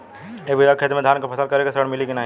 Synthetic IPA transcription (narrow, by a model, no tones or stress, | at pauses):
ebʱiakʰed̪med̪ʱaːnkapʰɐsəlkɐɾekasəɽmɪliɡinaːɦ